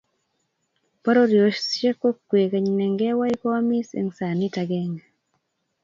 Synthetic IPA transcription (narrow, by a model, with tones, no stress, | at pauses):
pa˦ɾo˦ɾjo˨ʃst͡ʃe˦ko˦kːwe˨ka˨ɲnɛ˨ŋɡɛ˦wa˦i˦ko˦a˦mi˦sḛ˨ŋsa˨ni˦ta˨ɡɛ˦ŋa